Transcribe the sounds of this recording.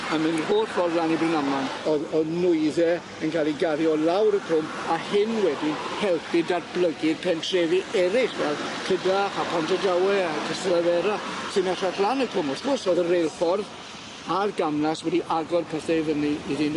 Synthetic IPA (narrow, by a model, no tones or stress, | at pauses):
amɨnr̥oːrfɔrðlˠanibrɪnamanɔɔnʊɨðɛ | ənkʰaːlˠiɡaɾjɔlˠawɾəkʰʊm | ahɪnwɛdihɛlˠpʰɨdarblˠəɡɪrpʰɛntʰrɛviʔɛɾɪχvɛlˠkʰədaχapʰantʰədawɛakʰəsəlavɛɾasɨmɛtaɬlˠanəkʰʊmɔsɡ̥ʊsoðərejlˠfɔrð | arɡamlaswɛdiʔaɡɔdpʰəθɛvəniiðin